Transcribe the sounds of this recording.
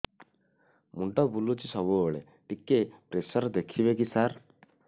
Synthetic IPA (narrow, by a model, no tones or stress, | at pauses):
muɳʈɔbulut͡ʃisɔbuoɭe | ʈikːepɾesɔɾd̪ekʰibekisaɾ